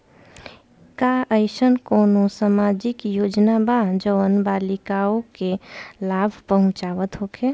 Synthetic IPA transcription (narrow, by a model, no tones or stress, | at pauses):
kaʔəɪsənkoːnõsamaːd͡ʒɪkjoːd͡ʒnabad͡ʒəʋənbalɪkaokelaːbʱpəɦʊ̃t͡ʃaːʋət̪ɦokʰe